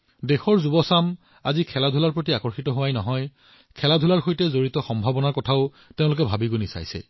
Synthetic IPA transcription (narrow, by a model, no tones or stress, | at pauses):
dexɔɹzubɔsam | a̰zikʰɛladʱulaɹpɹot̬iakɔɹxitɔɦowajnɔɦɔj | kʰɛladʱulaɹxojtɛzoɹitɔxɔmbʱabɔnaɹkɔtʰaʊ | teʊ̃lʊk̬ɛbʱabiɡonisa̰jsɛ̰